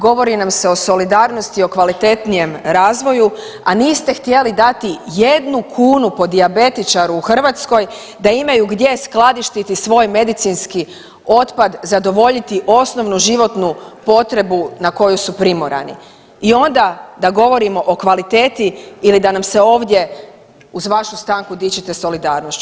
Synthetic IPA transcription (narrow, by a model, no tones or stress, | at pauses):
ɡo̞ʋo̞ɾinamse̞o̞so̞lid̪aːɾno̞st̪io̞kʋalit̪e̞t̪nije̞mɾaːzʋo̞ju | aniːst̪e̞xt̪je̞lid̪at̪ije̞d̪nukʰuːnupo̞d̪iabe̞t̪it͡ʃaɾuːxr̩ʋat̪sko̞j | d̪aimajuɡd̪je̞sklˠad̪iʃt̪it̪isʋo̞jme̞d̪it̪sinski | o̞t̪pad̪zad̪o̞ʋo̞ʎit̪iʔo̞sno̞ʋnuʒiʋo̞t̪nupo̞t̪ɾe̞bunako̞jusupɾimo̞ɾa̰nḭ | io̞nd̪ad̪aɡo̞ʋo̞ɾimo̞ʔokʋalit̪e̞ːt̪iːlid̪anamse̞o̞ːʋd̪je̞ | uzʋaʃust̪aːŋkud̪it͡ɕit̪e̞so̞lid̪aːɾnost͡ɕu